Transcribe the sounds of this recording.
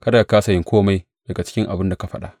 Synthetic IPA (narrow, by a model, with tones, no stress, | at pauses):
kɐ˦da˨kaː˦sa˨jɪ˦ŋkʰʷoː˦ma˦j | d̥ɐ˨ɡa˨t͡ʃɪ̥˦kʲɪ˦ŋʔa˨bɪ˦nda˨ka˦ɸɐ˦ɗa̰˦ʔ